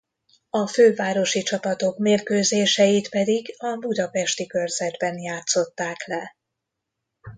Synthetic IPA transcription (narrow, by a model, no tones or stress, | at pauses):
ɒføːvaːɾo̞ʃit͡ʃɒpɒt̪o̞kmeːrkøːzeːʃɛjit̪pɛd̪iɡɒbud̪ɒpɛʃt̪ikø̞rzɛd̪bɛnjaːt̪so̞t̪ːaːklɛ